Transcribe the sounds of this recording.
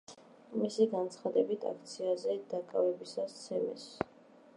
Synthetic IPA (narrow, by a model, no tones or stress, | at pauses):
misiɡant̪sʰχad̪ɛbit̪ʰa̰kʰt̪sʰiazɛd̪̥akʼavɛbisast̪sʰɛmɛ̰s